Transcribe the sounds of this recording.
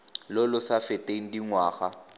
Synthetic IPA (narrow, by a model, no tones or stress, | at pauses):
lɔlʊsafɪtʼeŋ̩diŋwaːχa